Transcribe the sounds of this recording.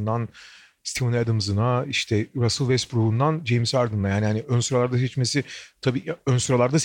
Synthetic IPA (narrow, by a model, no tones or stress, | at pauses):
nd̪an | st̪ʰimunad̪ɯmzɯnaiʃt̪ʰɛɾasɯlˠvɛspɾuhund̪and͡ʒejmsaɾd̪ɯnd̪ajaːnihaniønsyɾalˠaɾd̪as̬ɛt͡ʃmesɪt̪ʰabiːønsyɾalˠaɾd̪as